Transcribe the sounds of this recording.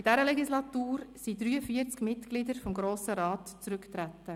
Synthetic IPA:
id̥ɛɾəlɛɡislɑt̪uːɾsid̪ɾyːəfiəɾt͡skmɪtɡ̥lidəɾfɔmɡɾoːsəɾɑːtt͡sɾʏkt̪ɾæt̪ːə

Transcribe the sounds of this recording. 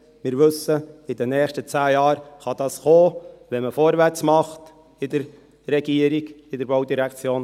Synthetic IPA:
mɪɾʋɵsəɪd̥̪ɛnɛːχʃtət͡sæːjɑːɾχɑd̪̥ɑːsχoːvʋɛməfoːɾʋæɾt͡smɑχt | ɪd̪əɾ | rɛɡiəɾiɡɪd̪əɾboʊd̪iɾɛkt͡sjoːn

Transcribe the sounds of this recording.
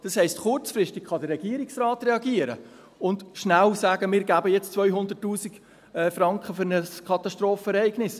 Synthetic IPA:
d̥ɑshɛɪstχʊrt͡sfɾɪstikχɑd̪ərːɛɡ̥iəɾiksrɑːtrɛɑɡiəɾə̰ | ʊndʃnælsæːɡəmɪːɾɡæbəjɛt͡st͡sʋvœʏɦʊnd̪ətːuːsik | ɛfrɑŋkχəføɾnəskʰɑt̪ɑstɾoːfəɛɾɛɪɡnɪs

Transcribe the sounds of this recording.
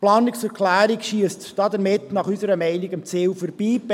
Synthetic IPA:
plɑːniksɛɾkʰlæːɾikʃiəstd̥ɑdəɾmɪtnɑχysəɾəmɛɪniɡəmt͡siːwfɔɾb̥iːb

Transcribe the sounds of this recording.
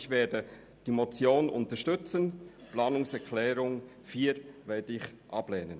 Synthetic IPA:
çvɛːɐdə | d̥imot͡sjoːnʔʊ̰ntəʃtʏt͡sənplɑːnʊŋsɛkʰlɛːɾʊŋ | fiːɾvɛːɐdɪçʔɑb̥lɛːnən

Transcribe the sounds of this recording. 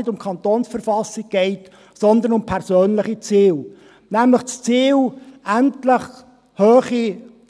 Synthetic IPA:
ɪdʊmkʰɑntɔːnsfəɾfɑsɪɡ̚ɡ̥ɛɪt | sɔnd̪ənʊmpʰɛʁsøːnləχit͡siːl | næmləχt͡st͡siːlæntləχ | høːχi

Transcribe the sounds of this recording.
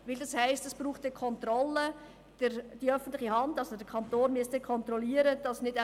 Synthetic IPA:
ʋɪldɑshæɪstɛsb̥ɾuːχtdɛkʰɔntɾɔlːə | d̥əɾd̥iœfən̩tlɪχihɑndɑlsodəkʰɑntoːnmyəstəkʰɔnt̪ɾɔliːəɾəd̥ɑsnɪdæ

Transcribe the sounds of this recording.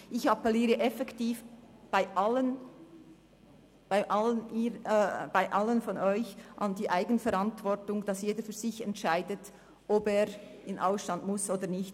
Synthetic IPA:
ʔɪçɑpɛliːɾəʔɛfɛktiːfb̥aɪʔɑlən | b̥aɪʔɑləniːb̥aɪʔɑlənfɔnɔʏçʔɑndiːʔaɪɡənfɛɾɑntv̥ɔtʊŋd̥ɑsjeːdəfyːzɪçɛntʃaɪdət | ʔɔbeːɾɪnʔaʊsʃtɑndmʊsoːdənɪçt

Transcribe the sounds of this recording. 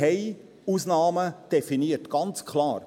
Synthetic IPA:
ɛɪ | usnɑːməd̪̥ɛfiniətɡ̥ɑnt͡skʰlɑːɾ

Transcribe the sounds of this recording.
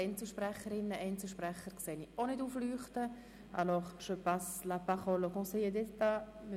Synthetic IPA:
ɛnt͡səʃprɛχəɾɪnːəʔɛnt͡səʃprɛχərkseːnionɪduːflyːχt̪ə | a̰lɔχʃøpaslapaχolokɔ̃seed̪ɛt̪a | m

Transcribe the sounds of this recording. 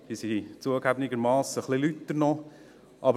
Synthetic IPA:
bisit͡suəɡæbnɪɡəɾmɑːsəχlilyt̪ːdəɾnɔ | ʔɑb

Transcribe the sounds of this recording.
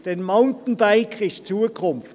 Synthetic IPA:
d̥enmaʊntn̩baɪkʰʁɪst͡suːəkʰʊmf

